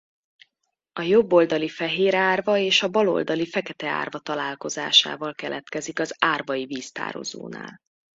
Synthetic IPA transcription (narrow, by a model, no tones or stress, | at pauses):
ɒjo̞bːo̞ld̪ɒlifɛɦeːɾaːrvɒeːʃɒbɒlo̞̰ld̪ɒlifɛkɛt̪ɛa̰ːrvɒt̪ɒlaːlko̞za̰ːʃa̰ːvɒlkɛlʔɛt̪kɛzikɒzaːrvɒjiviːst̪a̰ːɾo̞̰zo̰ːna̰ːl